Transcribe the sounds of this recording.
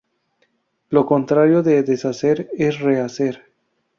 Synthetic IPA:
lo̞ko̞nt̪ɾaɾjo̞ðeðesase̞ɾesre̞ase̞ɾ

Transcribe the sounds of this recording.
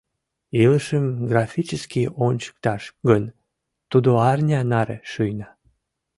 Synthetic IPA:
iləʃəmɡrɑfʲit͡ɕəskionʲt͡ɕə̥k̚t̪ɑʃɡən | t̪ud̪oɑrnʲɑnɑɾḛʃyjnɑ

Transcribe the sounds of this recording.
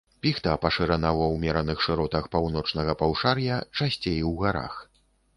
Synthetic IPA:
pʲixt̪ɐpɐʂɨɾanawɔwmʲɛɾɐnɨxʂɨɾɔt̪ɐxpawnɔt͡ʂnɐɣɐpawʂarjɐt͡ʂasʲt͡sʲejwɣaɾa̰x

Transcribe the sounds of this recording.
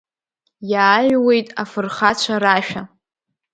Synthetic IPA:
jaːʒwe̞jtʼafɨrχat͡ɕʷʰaɾaʃᶣa

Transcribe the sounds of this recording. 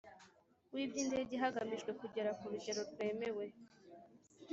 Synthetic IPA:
wibɟinde̞ːɟeɦaɡamiʒɡwe̞kuɟe̞ɾakuɾuɟe̞ɾo̞ɾɡwe̞ːme̞we̞

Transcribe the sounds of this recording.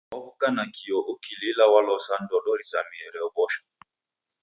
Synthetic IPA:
ɔβukanakʰijɔʔokililawalɔsan̩dɔlɔɾisamiɛɾɛɔbɔʃɔ̥

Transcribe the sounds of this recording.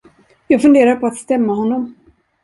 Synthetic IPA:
jɑːɡfɵnd̪eːɾaɾpʰɔat̪st̪ɛmːaɦɔnːɔm

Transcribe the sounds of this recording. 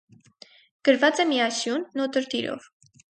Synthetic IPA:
ɡ̥əɾvɑt͡sɛmiɑsjunːɔt̪əɾt̪iɾɔ̰v

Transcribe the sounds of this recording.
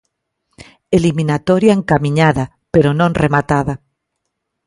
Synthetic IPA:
eliminat̪ɔɾjaeŋkamiɲaða | peɾonõŋremat̪aða

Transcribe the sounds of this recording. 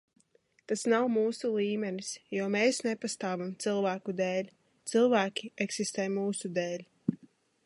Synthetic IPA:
t̪asnawmuːsulˠiːmʲɛnisjɔɔmeːsnepast̪aːvamt̪sɨlˠvæːkud̪eːlʲ | t̪sɨlˠvæːkʲieksist̪ɛːjmuːsud̪eːlʲ

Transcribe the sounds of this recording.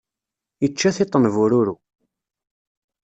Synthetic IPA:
it͡ʃːæθɪt̪ˤːənvʊɾuɾu

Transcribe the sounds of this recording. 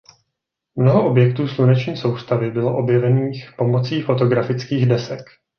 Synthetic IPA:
mnoɦo̞ʔo̞bjɛk̚t̪uːslunɛt͡ʃɲiːso̞wst̪avɪbɪlo̞ʔo̞bjɛvɛniːxpo̞mo̞t͡siːfo̞t̪o̞ɡɾafɪt͡skiːɣdɛsɛk

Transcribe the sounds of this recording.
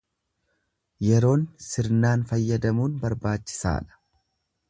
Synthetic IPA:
jɛɾo̞ːnsɪɾnaːnfɐjːɐd̪ɐmuːnbɐɾbaːt͡ʃːɪ̥sa̰ːᶑɐ̥

